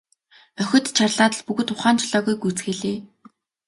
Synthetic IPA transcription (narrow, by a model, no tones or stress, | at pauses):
œxʲɵ̆t̪t͡ɕʰarɮaːt̪ə̆ɮpuɣɵ̆t̪ʊχaːnt͡ɕʰɮɔːɣujɡut͡sxeɮeː